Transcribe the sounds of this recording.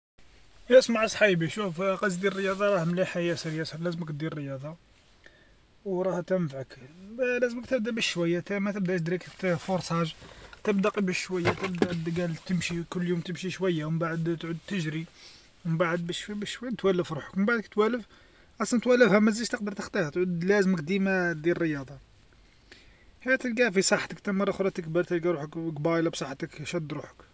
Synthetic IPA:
jæsmaʕəsˤħijbiʃufqɑzid̪irːəjɑd̪ˤɑɾˤɑhmliħajæsəɾjæsəɾlæzməkt̪̚d̪iɾːəjɑd̪ˤɑ | wɾˤɑht̪æmfʕəkblæzəməkt̪əbd̪æbəʃʃwæjːat̪æmæt̪əbd̪æt̪əd̪ɾik̪foɾˤsˤæʒt̪əbd̪ɑqibəʃʃwæjːæt̪əbd̪æd̪ɡælt̪əmʃikʊlːjumt̪əmʃiʃwæjːawbaʕəd̪t̪ʕud̪̚t̪əʒɾi | wəbaʕəd̪̚bəʃfibəʃwæjːænt̪wælːəfɾuħə̥kməmbaʕd̪əkt̪wælːəf | qɑsˤnt̪wælːəfhæmæzəʒt̪əq̚d̪əɾˤt̪əxt̪ˤihæt̪ʕud̪læzəmək̚d̪imad̪ilrːəjɑd̪ˤɑ | hæt̪əlɡæfisˤɑħt̪əkt̪æmərˤːɑxɾˤɑt̪əkbəɾˤt̪ælɡæɾˤuħəkɡbɑjlɑbsˤɑħːt̪əkʃæd̪ɾuħə̥k

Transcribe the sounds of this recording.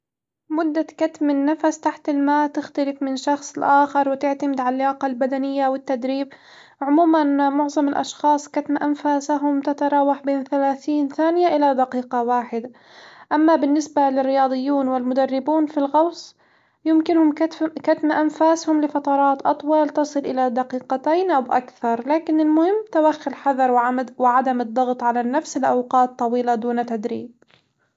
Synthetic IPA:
mʊd̪ːakat̪mɪnːafast̪aħt̪ɪlmaːʔt̪ɪxt̪alɪfmɪnʃɑxsˤɪlʔaːxɪɾˤwɪt̪ɪʕt̪amɪd̪ʕalːaːqɑlbad̪anɪjːawɪt̪ːad̪ɾiːb | ʕʊmuːmanmʊʕzˤɑmɪlʔɑ̰ʃxɑːsˤkat̪mʔanfaːsaɦʊmt̪at̪ɑɾˤɑːwaħbeːnθalaːθiːnθaːnɪjaʔɪlad̪aqiːqɑwaːħɪd̪a | ʔamːabɪnːɪsbalɪrːɪjɑːd̪ˤɨjːuːnwɪlmʊd̪arːɪbuːnfilɣɑwsˤ | jɪmkɪnhʊmkat̪maʔanfaːshʊmlɪfɑt̪ˤɑɾˤɑːt̪ʔɑt̪ˤwɑlt̪ɨsˤɨlʔɪlad̪aqiːqat̪aːnʔawʔa̰kθɑɾˤlaːkɪnɪlmʊhɪmːt̪awaxːɪlħɑðɑɾˤwʕawɪʕad̪amɨd̪ˤːɑɣt̪ˤʕalanːafsɪlʔawqɑːt̪ˤːɑwiːlad̪uːnt̪ad̪ɾḭːb̚

